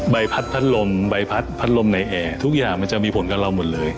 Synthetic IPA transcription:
ba˧jpʰa˦˥t̪̚pʰa˦˥t̪̚lo˧mba˧jpʰa˦˥t̪̚pʰa˦˥t̪̚lo˧mna˧jʔɛː˧t̪ʰu˦˥k̚jaː˨˩ŋma˧nt͡ɕa˨ʔmiː˧pʰo˩˦nkaː˧la˧wmo˨˩t̪̚lɤː˧j

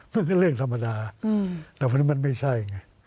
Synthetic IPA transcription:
ma˧˥˨nka˥˩ɾɯ˥˩əŋt̪ʰa˧mːa˧daː˧t̪ɛː˧˩wʰna˦˥ma˧nma˥˩jt͡ɕʰa˥˩jŋa˧˩

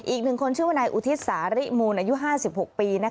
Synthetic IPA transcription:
ʔiː˨˩k̚nɯ˨˩ŋkʰo˧nt͡ɕʰɯ˥˩wa˥˩naː˧jʔu˨˩t̪ʰi˦˥t̪̚saː˩˦ɾi˦˥muː˧nʔaː˧ju˦˥ɦaː˥˩si˨˩p̚ho˨k̚piː˧na˦˥

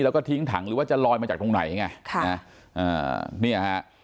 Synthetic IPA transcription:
lɛː˨˧˩kɔː˥˩t̪ʰi˦˥əŋt̪ʰa̰˨˩˦ŋɾɨː˨˦waː˧˥˩t͡ɕa˧˩lɔː˧jmaː˧t͡ɕaː˨˩k̚t̪o˧na̰˨˩˦jŋaː˧˩kʰa˦˥ | ʔə̰ː˨˩ni˧˥˩ʔa˨˧a˦˧˥ʔ

